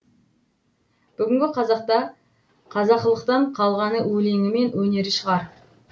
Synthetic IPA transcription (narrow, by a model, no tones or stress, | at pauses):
b̥ʏɡʲɪŋɡʲɪqʰɑzɑqt̪ɑ | qʰɑzɑqəlˠəqt̪ɑɴqʰɑlˠʁɑnəwɵle̞ŋɪme̞nwɵne̞ɾɪʃəʁɑɾ